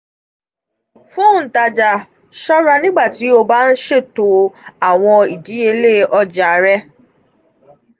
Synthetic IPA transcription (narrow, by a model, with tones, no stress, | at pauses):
fũ˦˨n̩˨ta˧d͡ʒa˨ | ʃɔ˦ɾa˧nĩ˦ɡ͡ba˦˨ti˨˦o˧ba˦n̩˦ʃe˦˨to˨˦a˦˨w̃ɔ̃˧i˨di˨˦e˧le˦ɔ˧d͡ʒa˨˦ɾɛ˦